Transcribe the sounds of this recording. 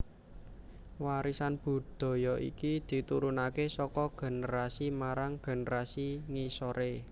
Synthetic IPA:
waɾisanb̥ṳd̪̥ɔ̤jɔʔḭkid̪̥i̤t̪uɾunakesɔkɔɡ̥e̤nəɾasimaɾaŋɡ̥e̤nəɾasiŋisɔɾe

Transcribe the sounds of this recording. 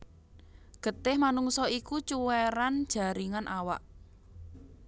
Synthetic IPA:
ɡ̥ə̤t̪ɪhmanuŋsɔikut͡ʃuwɛɾand̥ʒ̥a̤ɾiŋanʔawa̰ʔ

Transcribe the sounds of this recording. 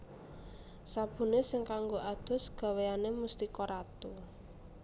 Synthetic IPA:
sab̥ṳnesɪŋkaŋɡoʔad̪̥ʊ̤sɡ̥a̤weanemust̪ikɔɾat̪u

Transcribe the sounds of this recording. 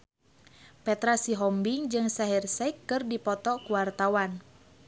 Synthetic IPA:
pɛt̪ɾasiɦɔmbiŋd͡ʒɨŋsaɦirsɛikːɨrdipɔt̪ɔkuwart̪awan

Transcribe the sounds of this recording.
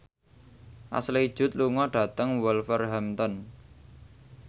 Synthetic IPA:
ʔa̰sliid̥ʒ̥ʊ̤t̪̚luŋɔɖ̥ä̤t̪əŋwɔlfərɦamt̪ɔn

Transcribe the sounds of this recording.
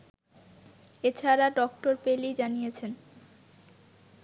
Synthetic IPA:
et͡ɕʰaɾaɖɔkʈoɾpelid͡ʑanijet͡ɕʰen

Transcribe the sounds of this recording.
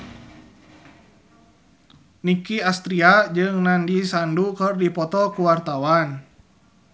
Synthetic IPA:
nikiast̪ɾiad͡ʒɨŋnandisandukərdipɔt̪ɔkuwart̪awan

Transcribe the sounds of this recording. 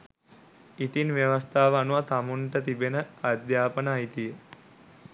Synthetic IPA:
it̪inʋjeʋəst̪ʰaːʋəanuʋat̪amuɳʈət̪ibenəad̪jaːpənaːit̪ijə

